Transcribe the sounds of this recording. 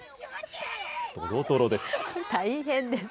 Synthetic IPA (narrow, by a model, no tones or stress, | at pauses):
t̪o̰ɾot̪oɾod̪e̞sɨ̥t̪aiɦẽ̞nd̪es